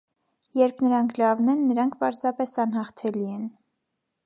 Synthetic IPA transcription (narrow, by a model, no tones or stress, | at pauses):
jɛɾpʰnəɾɑŋkʰlɑvnɛnːəɾɑŋkʰpɑɾzɑpɛsɑnɦɑχt̪ʰɛliɛn